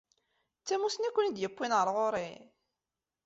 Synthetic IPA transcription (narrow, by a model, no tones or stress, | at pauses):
t͡sːæmusnækʷːənid̪jəpːinʁəɾˤʁoɾˤi